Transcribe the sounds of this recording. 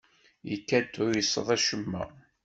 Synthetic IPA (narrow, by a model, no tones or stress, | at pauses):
jəkːæd̪ʊɾjəsˤːə̰ðˤæʃəmːæ̰